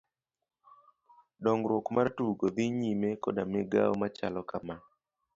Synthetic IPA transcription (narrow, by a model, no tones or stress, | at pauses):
ɗɔŋɡɾokmartuɡod̪iɲimekɔdameɡa̰omat͡ʃalɔkaman